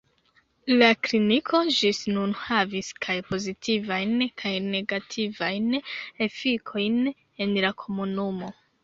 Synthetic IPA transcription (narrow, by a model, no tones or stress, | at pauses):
laklinikʰo̞d͡ʒisnunhaviskʰajpo̞zitʰivajnkʰajne̞ɡatʰivajne̞fikʰo̞jn | e̞nlakʰo̞munumo̞